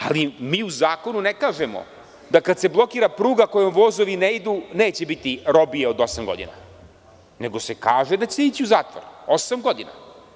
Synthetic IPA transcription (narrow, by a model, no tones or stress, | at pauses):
alimiːuzaːko̞nunekaːʒemo̞̰ | d̪akad̪se̞blˠo̞kiːɾapɾuːɡako̞jomʋo̞ːzo̞ʋineid̪une̞ːt͡ɕe̞bit̪iɾo̞bijeod̪o̞samɡo̞̰d̪ḭna̰ | ne̞ɡo̞se̞kaːʒe̞d̪at͡ɕe̞it͡ɕiuzaːt̪ʋo̰ɾo̞samɡo̞d̪ina̰